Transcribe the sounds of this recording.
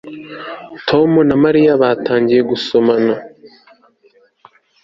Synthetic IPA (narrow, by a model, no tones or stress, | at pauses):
tʰo̞munamaɾijaβaːtaːɲɟiɾe̞ɡusomana